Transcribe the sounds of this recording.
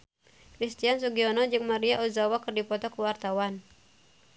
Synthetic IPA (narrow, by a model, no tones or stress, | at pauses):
kɾist̪ians̬uɡiɔnɔd͡ʒɨŋmaɾiaʔuzawakɨrdipɔt̪ɔkəwart̪awan